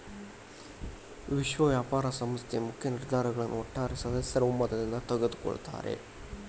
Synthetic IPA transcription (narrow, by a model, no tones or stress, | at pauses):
ʋɪʂʋɐʋjaːpaːɾɐsɐmɐst̪jɐmʊkːɪjɐnɪɾd̪aːɾɐɣɐɭɐnʔoːʈːaːɾesɐðɐsjɐɾɐumːɐd̪ɐðnaːt̪ɐɣɐt̪ːɯ̥kɔ̰ɻɯ̰t̪ːa̰ːɾḛ